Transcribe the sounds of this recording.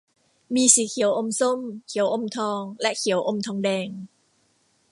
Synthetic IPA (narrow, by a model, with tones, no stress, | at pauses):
miː˧si˨˦˩kʰi˨˩˦əwʔo˧mso˥˩mkʰi˩˦əwʔo˧mt̪ʰɔː˧ŋlɛ˦˥ʔkʰi˨˩˦əwʔo˧mt̪ʰɔː˧ŋdɛː˧ŋ